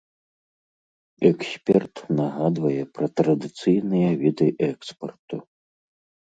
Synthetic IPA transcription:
ɛksʲpʲɛrt̪naɣad̪vɐjɛpɾɐt̪ɾɐd̪ɨt̪sɨjnɨjɐvʲid̪ɨʔɛkspɐrt̪u

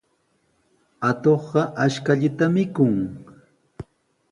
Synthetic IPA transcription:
at̪oχɢɑʔaʃkaʎɪt̪amɪkʊŋ

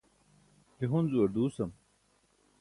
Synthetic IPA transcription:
t̪iɦunzuwɐɾd̪uːsɐm

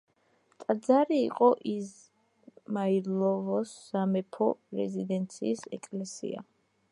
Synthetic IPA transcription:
t̪ʼad̪zaɾḭːqʼɔʔiz | maiɾlɔvɔsːamɛpʰɔɾɛ̰zid̪ɛnt̪sʰḭːsɛ̰kʼlɛsḭa̰

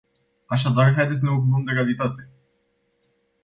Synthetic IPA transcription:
aʃad̪arɦajd̪esʲsneokunomd̪e̞kalit̪at̪e̞

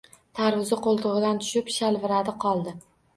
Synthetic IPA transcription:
t̪ʰaɾvʊzɪqolˠt̪ʰʊʁɨd̪ant̪ʰʊ̥ʃɪpʃalvɪɾad̪ɪqʰɒlˠd̪ɪ

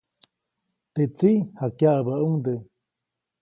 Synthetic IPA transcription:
t̪et͡sihakjaʔabauŋd̪ə

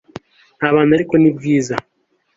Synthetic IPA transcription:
nhaːβaːnaɾikonib̚ɡiːza

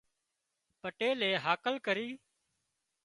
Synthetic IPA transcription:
pəʈeːleːɦaːkəlkəɾiː

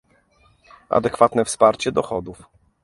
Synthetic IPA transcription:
a̰d̪ɛkfat̪nɛfspaɾt͡ɕɛd̪ɔxɔd̪uf

